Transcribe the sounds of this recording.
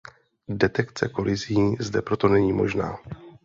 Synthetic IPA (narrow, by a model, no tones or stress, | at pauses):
dɛt̪ɛkt͡sɛko̞lɪziːzdɛpɾo̞t̪o̞nɛɲiːmo̞ʒna̰ː